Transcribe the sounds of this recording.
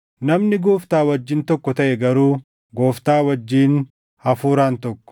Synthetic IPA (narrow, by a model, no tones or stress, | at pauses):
nɐmnɪɡoːft̪aːwɐd͡ʒːɪnt̪ɔkːɔt̪ɐʔɛɡɐɾuː | ɡoːft̪aːwɐd͡ʒːiːn | hɐfuːɾaːnt̪ɔkːɔ̥